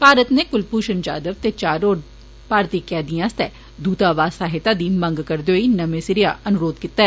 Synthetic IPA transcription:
paːɾət̪neːkʊlpuːʃənd͡ʒa̰ːd̪əʋt̪et͡ʃaːɾoː | paːɾt̪iːkɛːd̪ijãːst̪ɛ | d̪uːt̪aːʋaːsaːɦɪt̪ad̪imə̃ŋɡkəɾd̪oːinɐmesɪɾɪjaɐnʊɾoːd̪kit̪ːaɛ

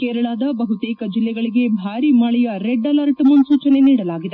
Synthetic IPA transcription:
kɛːɾɐɭaːd̪ɐbɐɦut̪ɛːkɐd͡ʒilːɛɡɐɭiɡe̞bʱaːɾimɐɭɛjɐɾeɖːɐlɐɾʈɐmunsuːt͡ʃɐne̞niːɽɐlaːɡid̪e

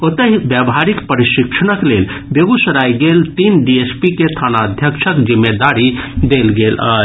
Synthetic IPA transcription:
ot̪əɦibjəbɦaɾikpəɾiʃikʃʰənəklelbeɡusəɾajɡelt̪inɖiespiket̪ʰanaəd̪ʱjəkʃʰəkd͡ʒimːed̪aɾid̪elɡelə̰

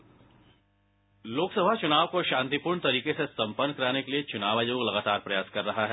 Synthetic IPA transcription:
loːksɐbʱat͡ʃʊnaːʋkoʃãːnt̪ipʊːɾɳt̪ɐɾiːkesesɐ̃mpənːkɐɾaːnekeliet͡ʃʊnaːʋaːjoːɡlɐɡaːt̪aːɾpɾɐjaːskɐɾːɐɦaɦɛː

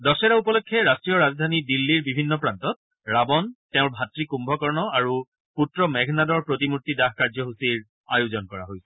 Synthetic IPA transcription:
dɔsɛɾaupɔlɔkʰːɛɹastɹijɔɹazɔdʱanidilːiɹbibʱinːɔpɹantɔt̚ | ɹabɔntɛʊ̃ɹbʱatɹikumbʱɔkɔɹnɔaɹu | putɹɔmɛɡʱnadɔɹpɹotimutːidaɦkaɹzɔɦusiɹ | ajuzɔnkɔɹa̰ɦojsɛ̥

